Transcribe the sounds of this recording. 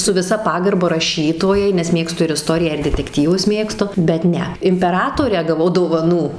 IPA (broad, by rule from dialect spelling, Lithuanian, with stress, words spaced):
sʊ ʋʲɪˈsɐ ˈpɑːɡɐrbɐ rɐˈʃʲiːtoːjɛɪ nʲɛs ˈmʲeːkstʊ ɪr ɪˈstoːrʲɪjæː ɪr dʲɛtʲɛkˈtʲiːʋʊs ˈmʲeːkstʊ bʲɛt ˈnʲɛ ɪmʲpʲɛˈrɑːtoːrʲæː ɡɐˈʋɐʊ doːʋɐˈnuː